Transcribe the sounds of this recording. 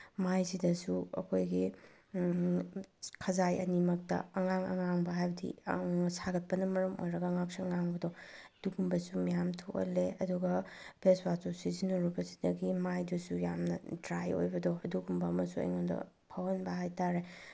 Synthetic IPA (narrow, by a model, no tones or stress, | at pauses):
majzidɐsuɐ̰kʰojɡi | kʰɐzajɐ̰nimɐk̚tɐ̰ɐŋaŋɐ̰ŋaŋbɐɦajbɐdḭsaɡɐt̚pɐnɐmɐɾɐmo̰jɾɐɡɐːŋaksuɐŋaŋbɐdɔ | d̥uɡumbɐsumijamtʰokɐ̰leɐduɡɐbʰeswasosizinoɾubɐsi̥dɐɡimajdɐsujamnɐdɾajo̰jbɐdɔɐduɡumbɐːmɐsuɐ̰jŋondɐ̰ | pʰawɐnbɐɦajtaɾe